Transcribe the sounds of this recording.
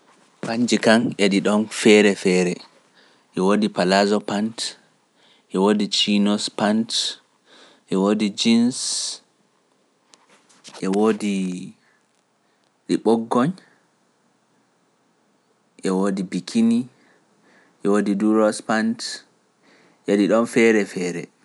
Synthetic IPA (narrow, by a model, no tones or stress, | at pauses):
paɲd͡ʒikanʔɛɗiɗɔnfɛɾɛfɛɾɛ | ʔɛwodipalazɔpant | ʔɛwodit͡ʃinɔspant | ʔɛwodid͡ʒins | ʔɛwodi | ɗiɓɔɡːɔɲ | ʔɛwodibikʰini | ʔɛwodiduɾɔspant | ʔaɗiɗɔnfɛɾɛfɛɾɛ̰